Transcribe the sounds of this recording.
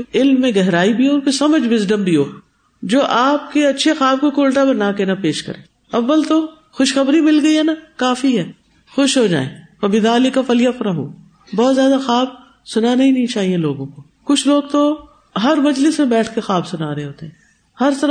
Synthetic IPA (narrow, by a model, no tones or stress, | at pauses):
ɪlmːẽɡɛɦɾaːibʱiɦoːpɪsɐməd͡ʒʋɪzɖəmbʱiɦoː | d͡ʒoːʔaːp̚keɐtːʃʰexaːb̚kokʊlʈapɐɾnaːkenapeːʃkɐ̰ɾḛ̃ː | ɐʋːəlt̪o | xʊʃxɐbɾimɪlɡɐiɦɛnakaːfiɦɛː | xʊʃɦod͡ʒa̰ːḛ̃ːfɐbɪd̪aːlɪkafɐlijafɾɐɦo̰ː | bɔːt̪zjaːd̪axaːb | sʊnanɐɦĩnɐɦĩt͡ʃaːɦieloːɡõko | kʊt͡ʃʰloːɡ̚t̪o | ɦɐɾmɐd͡ʒlɪsmẽbɛːʈʰkexaːbsʊnaːɾɐɦẽɦoːt̪eɦɛ̃ː | hɐɾt̪ɐ